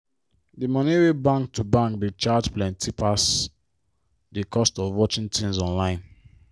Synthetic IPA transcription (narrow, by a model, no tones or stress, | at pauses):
dimɔniwebãŋktubãŋkdit͡ʃadplɛ̃ntʰipʰas | dikʰɔstɔvwɔt͡ʃĩntʰĩnzɔ̃nlãɪ̃n